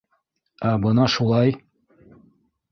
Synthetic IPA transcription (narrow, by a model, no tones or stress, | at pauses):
æbɤnɑʃulˠɑj